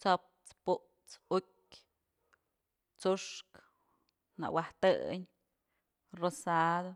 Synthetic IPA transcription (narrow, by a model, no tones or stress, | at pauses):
t͡sop̚t͡spuʔ | t͡sukʲ | t͡suʂk | na̰ʔwaht̪ɨ̰ɲ | rosad̪o